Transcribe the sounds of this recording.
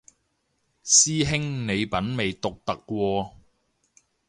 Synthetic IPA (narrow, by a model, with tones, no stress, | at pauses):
siː˥ɦɪ˥ŋne˨˧jpɐ˨˥nme˨jt̪ʊ˨k̚t̪ɐ˨kːʷwɔː˧